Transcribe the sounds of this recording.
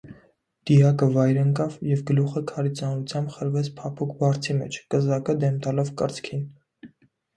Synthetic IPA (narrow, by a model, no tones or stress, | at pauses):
d̪̥ijɑkəvɑjɾəŋkɑvjɛvɡəluχəkʰɑɾit͡sɑnɾut͡sʰjɑmbχəɾvɛt͡sʰpʰɑpʰukʰbɑɾt͡sʰimɛ̰t͡ʃʰkəzɑkəd̪ɛmt̪ɑlɔvkəɾt͡skʰin